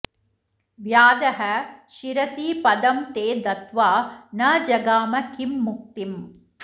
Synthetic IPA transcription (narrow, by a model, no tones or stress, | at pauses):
ʋjaːd̪ɐɦɐʃiɾɐsiːpɐd̪ɐmt̪eːd̪ɐt̪ʋaːnɐd͡ʒɐɡaːmɐkimːuk̚t̪im